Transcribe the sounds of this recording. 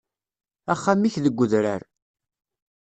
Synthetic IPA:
æχːamːiçðəɡʷːʊðɾa̰ɾ

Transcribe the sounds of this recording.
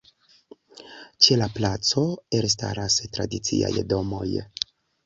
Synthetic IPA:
t͡ʃe̞laplat͡so̞eɾs̬ta̰ɾastɾa̰dit͡sḭa̰jdo̞mo̞̰j

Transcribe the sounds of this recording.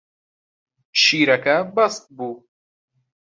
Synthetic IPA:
ʃiːɾɐkɐbɐst̪̚buː

